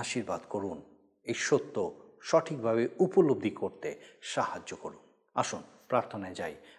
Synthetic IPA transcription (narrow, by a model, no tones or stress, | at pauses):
aʃiɾbad̪koɾun | ejʃot̪ːoʃɔʈʰik̚bʱaβeupolob̚d̪ʱikoɾt̪eʃahad͡ʑːokoɾun | a̰ʃun | pɾaɾt̪ʰonaed͡ʑaj